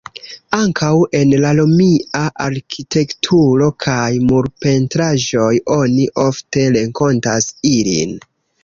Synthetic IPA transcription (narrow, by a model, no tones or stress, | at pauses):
aŋkʰawe̞nlalomiaʔaɾkʰitʰe̞ktʰuɾo̞kʰajmuɾpe̞ntɾaʒo̞jo̞niʔo̞fte̞ɾe̞ŋko̞ntasilḭn